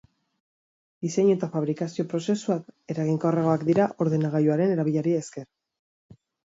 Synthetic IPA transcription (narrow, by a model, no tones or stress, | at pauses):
d̪ise̞ɲuet̪afaβ̞ɾikasio̞pɾo̞se̞suake̞ɾaɣiŋkawreɣo̞akd̪iɾaʔo̞ɾðe̞naɣ̞ajuaɾe̞ne̞ɾaβ̞iʎaɾieske̞ɾ